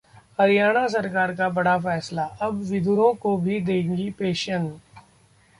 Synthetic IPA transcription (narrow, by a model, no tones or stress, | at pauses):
əɾɪjaːɽ̃aːs̬əɾkaːɾkaːbəɽaːfɛːslaːʔəbʋɪd̪ʱʊɾõːkobʱiːd̪eːŋɡipeːʃən